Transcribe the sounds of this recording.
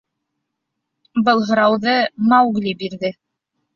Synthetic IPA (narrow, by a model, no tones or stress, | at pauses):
bɤlˠɦɤ̆ɾɑwðɤmawɡlʲibiɾðɘ